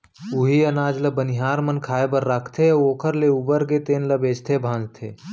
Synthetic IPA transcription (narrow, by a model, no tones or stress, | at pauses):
ʊɦiənaːd͡ʒləbəniɦaːɾmənkʰaːebəɾːaːkʰt̪ʰeoːkʰəɾleubəɾɡet̪eːnləbeːd͡ʒt̪ʰebʱãːnd͡ʒt̪ʰḛː